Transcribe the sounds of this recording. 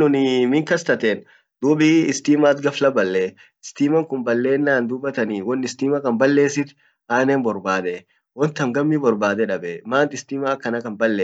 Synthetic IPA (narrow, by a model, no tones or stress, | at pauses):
nʊnɪmɪŋkɐst̪ɐt̪eːn | d̪̥uːbiɪst̪iːmaːt̪ɡɐflɐbɐlːe | ɪst̪iːmɐŋkʊmbɐlːe̞ːnːaːnd̪ʊbːɐt̪ɐniːwɔnːɪst̪iːmɐkɐmbɐlːe̞ːsɪt̪ | aːneːmbɔɾbaːd̪ɛ | wɔnt̪ɐmɡɐmːibɔɾbaːd̪ɛᶑɐbɛmaːnt̪ɪst̪iːmaːkːɐnɐkɐmbɐlːeː